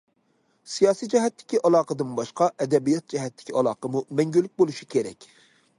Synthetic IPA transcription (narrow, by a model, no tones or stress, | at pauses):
sijɑːsijd͡ʒɛɦɛt̪ʰːɪ̥kʲiʔɑlˠɑːqəd̪ɨnbɑʃqɑʔɛd̪ɛbijɑt̪̚d͡ʒɛɦɛt̪ːɪ̥kʲʰiɑlˠɑ̰ːqəmumɛŋɡʲylːyk̚ʲbolˠuʃi̥kʲʰeɾɛ̰kʲ